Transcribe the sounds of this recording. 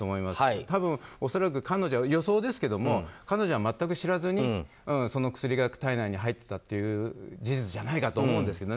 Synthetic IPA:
omo̞imast̪abɯ̟̃ɰ̃o̞so̞ɾak̬ɯ̟kano̞ʑoajo̞so̞ːd̪e̞s̬ɨ̥ke̞d̪o̞mo̞kano̞ʑo̞βamat̪ːak̬ɯ̟ɕiɾazɨɲ̟i | ɯ̃ɴso̞no̞kɯ̥sɨɾʲiɡakɯ̥t̪ainaiɲ̟iɦait̪ːe̞̥t̪at̪ːe̞jɯ̟ːd͡ʑiʑit͡sɨʑanaikat̪o̞ːmo̞ɯ̃nd̪e̞sɨ̥ke̞d̪o

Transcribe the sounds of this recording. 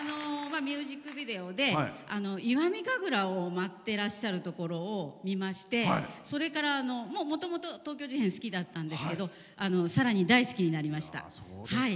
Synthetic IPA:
ano̞mamʲjɨːʑikːɯ̟bʲid̪e̞o̞d̪e̞ano̞iβamʲiɡaɡɯ̟ɾaomat̪ːe̞ɾaɕːaɾɯ̟t̪o̞ko̞ɾo̞ːmʲimaɕi̥t̪e̞so̞ɾe̞kaɾaːno̞mo̞ːmo̞t̪o̞mo̞t̪o̞t̪o̞ːkʲo̞ːʑihẽɰ̃sɨ̥kʲid̪at̪ːãnd̪e̞sɨ̥ke̞d̪o̞ | ano̞saɾaɲ̟id̪aisɨ̥kʲiɲ̟inaɾʲimaɕi̥t̪a̰ | hai

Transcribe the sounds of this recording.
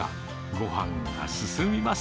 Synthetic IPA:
a̰ | ɡo̞ɦãŋɡa̰sɨsɨmʲimas

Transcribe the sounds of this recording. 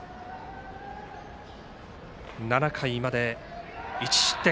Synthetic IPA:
nanakʰaimad̪e̞ | it͡ɕi̥t̪e

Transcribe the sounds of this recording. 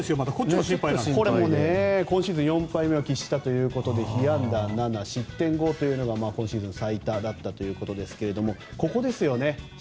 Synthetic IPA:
sɨjomat̪akoɕĩpːaikoɾemonekõ̞ɕiːzɨ̃ɰ̃jõ̞mpaime̞o̞kʲiɕi̥t̪at̪o̞jɯ̟ːko̞t̪o̞d̪e̞çijãnd̪ananaɕit̪ːẽ̞ŋɡo̞t̪o̞jɯ̟no̞ɡamaːkõ̞ɰ̃ɕiːzɨ̃nsait̪ad̪at̪ːat̪o̞jɯ̟ːko̞t̪o̞d̪e̞sɨ̥ke̞ɾed̪o̞mo̞ko̞ko̞d̪e̞sɨjo̞ne̞

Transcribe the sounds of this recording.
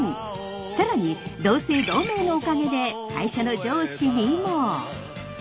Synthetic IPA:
saɾaɲ̟id̪o̞ːseid̪o̞ːme̞ːno̞ːkaɡe̞d̪e̞kʰa̰iɕanod͡ʑoːɕiɲʲimo

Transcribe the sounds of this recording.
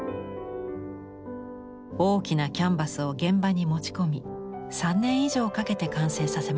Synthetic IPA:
o̞ːkʲinakʲãmbasɨo̞ɡẽ̞mbaɲ̟imo̞t͡ɕi̥ko̞mʲisãnːẽ̞ɰ̃iʑo̞ːkake̞t̪e̞kãɰ̃se̞ːsase̞ma

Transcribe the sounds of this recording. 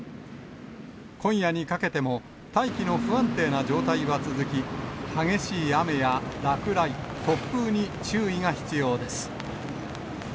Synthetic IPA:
kõ̞ɰ̃jaɲ̟ikake̞t̪e̞mo̞ | t̪aikʲino̞ɸɯ̟ãnt̪e̞ːnad͡ʑo̞ːt̪aiβat͡sɨzɨkʲihaɡe̞ɕiːame̞jaɾakɯ̟ɾai | t̪o̞pːɯːɲ̟i | t͡ɕɨːiŋaçi̥t͡sɨjo̞ːd̪e̞sɨ̥

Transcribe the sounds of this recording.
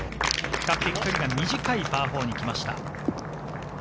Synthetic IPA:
kakːekt̪oɾʲiɡamʲiʑikaibaːɸo̞ːɲ̟ikʲimaɕi̥t̪a̰

